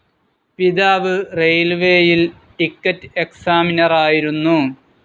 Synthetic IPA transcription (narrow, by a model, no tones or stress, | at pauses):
piðaːʋɨrejlʋeːjil | ʈikːɐtːɨeksaːminɐraːjiɾunːu